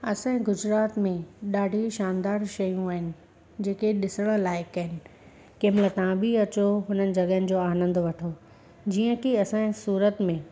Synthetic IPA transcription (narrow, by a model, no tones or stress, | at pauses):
ɐsãːĩɡʊd͡ʑɾaːt̪mẽɗaːɖʱiʃaːnd̪aːɾʃɐjũaːɦɪnɪ̆ | d͡ʑeːkeɗɪsəɽ̃laːɪkːɐɦɪnɪ̆ | kɪmlət̪ãbiɐt͡ɕoɦʊnənɪ̆d͡ʑɐɠənɪ̆d͡ʑoːaːnə̃nd̪ʋɐʈʰo | d͡ʑiːə̃kiɐsãːɪ̃suːɾət̪mẽ